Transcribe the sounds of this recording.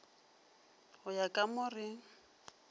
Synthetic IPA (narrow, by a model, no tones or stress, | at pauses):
hʊjakʼamʊrɪ